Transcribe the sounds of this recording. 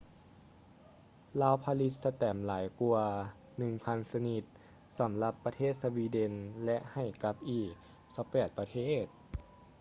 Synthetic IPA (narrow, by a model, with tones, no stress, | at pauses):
laː˧˥wpʰa˧li˧˥t̪̚sa˧t̪ɛː˨˩mlaː˩˦jku˧ɐ | nɯ˨˩ŋpʰa˧nsa˧ni˨˧˩t̪̚ | sa˩˦mla˧˥pːa˧t̪ʰeː˥˩t̪̚sa˧wiː˧de˧nlɛ˧˦˥ʔha˨˩jka˧˦˥p̚ʔiː˨˧˩k̚ | sa˧˦wpɛː˨˩t̪̚pɾa˧t̪ʰeː˥˩t̪̚